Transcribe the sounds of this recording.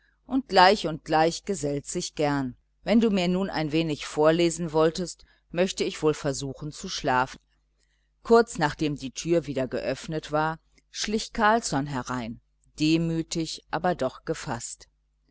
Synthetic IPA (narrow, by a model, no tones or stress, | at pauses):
ʔʊnt̚ɡ̥laɪçʊnt̚ɡ̥laɪçɡ̥əzɛltz̥ɪçɡ̥ɛɐn | vɛnduːmiːɐnuːna̰ɪnveːnɪçfoːɐleːzn̩vɔltəst | mœçtəɪçv̥oːlfɛɐzuːxn̩t͡suʃlaːfn̩ | kʰʊɐt͡snaːχd̥eːmdiːtʰyːɐviːdɐɡə̰ʔœfnətv̥aːɐ | ʃlɪçkʰaɐlt͡sɔnɦɛɐʁaɪn | d̥eːmyːtɪçʔaːbɐdɔχɡ̥əfa̰st